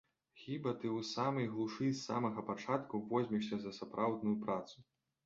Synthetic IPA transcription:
xʲibɐt̪ɨwsamɐjɣlˠuʂɨsːa̰mɐɣɐpat͡ʂat̪kuvɔzʲmʲiʂsʲɐzɐsapɾʔawd̪nujupɾat̪su̥

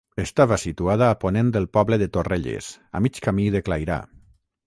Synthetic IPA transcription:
est̪aβasit̪uaðaːponẽnd̪elˠpɔβleðet̪oreʎḛsa̰mit͡ʃkamiðeklajɾa̰

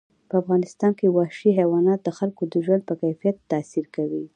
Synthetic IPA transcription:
pəafɣɑnɪst̪ɑnkewɑʃiɦawɑnɑt̪̚d̪əxalkod̪əʒwand̪̚pəkajfijat̪ːasiɾkawi

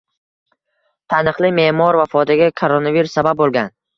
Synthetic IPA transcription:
t̪ʰanɨqlˠɪme̞mɒɾvafɒd̪aɡʲakʰoɾonaviɾusːabab̚bolˠɡʲan

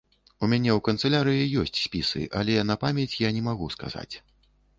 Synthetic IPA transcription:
umʲanʲɛwkɐnt̪sɨlʲaɾɨjijɔsʲt͡sʲsʲpʲisɨ̰ʔɐlʲɛnɐpamʲjɛt͡sʲjanʲɛmaɣuska̰za̰t͡sʲ

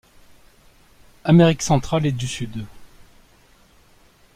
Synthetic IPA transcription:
ameʁiksɑ̃t̪χaled̪ysyd̪

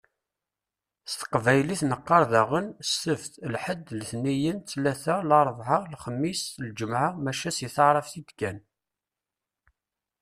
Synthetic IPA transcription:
st̪ə̥qvæjliθnəqːɑɾˤðæʁənsːəvθlħəd̪ːlθnijənθlæθalɑɾˤðˤʕɑlχəmːisθld͡ʒəmʕamæʃæsiθɑʕɾˤəfθid̪kæn

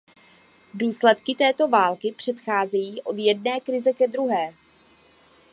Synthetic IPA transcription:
duːslɛt̪kɪt̪ɛːt̪o̞vaːlkɪpr̝̥ɛt̪xaːzɛjiːʔo̞d̪jɛdnɛːkɾɪzɛkɛd̪ɾuɦɛː

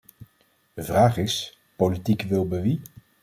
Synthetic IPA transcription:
dəvraːχɪs | politikʋɪlˠbəʋi

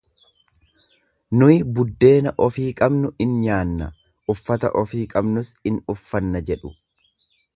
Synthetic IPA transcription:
nʊjɪbʊd̪ːe̞ːnɐʔɔfiːkʼɐbnʊɪnɲaːnːɐ̰ | ʔʊfːɐt̪ɐ̰ʔɔfiːkʼɐbnʊsɪnʊfːɐnːɐd͡ʒɛᶑʊ̥

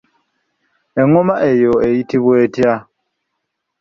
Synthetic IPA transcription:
ɛŋɔmaʔɛjɔeitʰiβwetia

